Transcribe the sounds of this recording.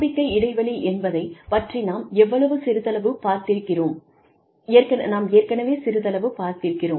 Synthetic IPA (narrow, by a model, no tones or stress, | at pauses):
bɪkːɐɪɪɽɐɪʋɐliʔɛnbɐðɐɪpɐʈrinaːmɛʋːɐɭɐʋɯsɪɾɯt̪ɐlɐʋɯpaːɾt̪ɪɾkːɪroːmː | ɾkɐnɐ̰naːmeːɾkɐnɐʋeːsɪɾɯt̪ɐlɐʋɯpaːɾt̪ɪɾɯkːɪroːm